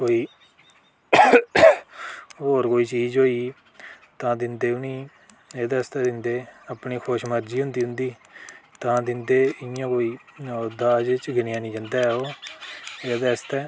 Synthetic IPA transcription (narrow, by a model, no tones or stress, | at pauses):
koːiː | ɦoːɾkoːiːt͡ʃiːd͡ʒɦoːiː | t̪ãːd̪ɪnd̪eːʊniː | eːd̪aːɪst̪ɛːd̪ɪnd̪eːəpɳiːkʰoːʃməɾd͡ʒiːɦʊnd̪iːɦʊ̃nd̪iːt̪ãːd̪ɪnd̪eːɪjãːkoːiːd̪aːd͡ʒt͡ʃɡɪnjaːnĩːd͡ʒənd̪aːɛoː | eːd̪aːst̪ɛː